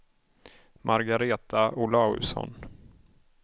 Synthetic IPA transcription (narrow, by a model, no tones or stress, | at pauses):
mʔaɾɡaɾeːt̪ʰaʊlɑːɵ̰sɔ̰n